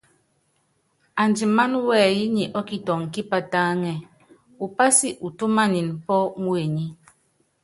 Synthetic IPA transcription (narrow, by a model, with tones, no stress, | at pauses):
a˨nd͡ʒi˨ma˦nwɛː˦˨ji˦ɲi˨ʔɔ˦ki˦tɔ˨ŋ˨ki˦pa˦taː˦ŋɛ˨ | u˨pa˦si˦ʔu˨tu˦ma˦ni˨npɔ˦ŋwe˨ɲi˦